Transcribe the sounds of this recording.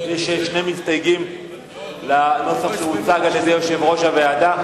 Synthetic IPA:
jeʃʃnemist̪ajɡim | lano̞saχʃemut͡saɡaljed̪ejoʃe̞vʁo̞ʃavead̪a

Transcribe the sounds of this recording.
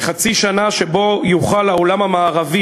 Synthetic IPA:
χat͡siʃanaʃebo̞juχalaolamhamaːʁavi

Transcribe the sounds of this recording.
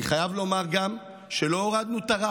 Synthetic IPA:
iχajavlo̞maʁɡam | ʃelo̞oʁad̪̚nut̪aʁa

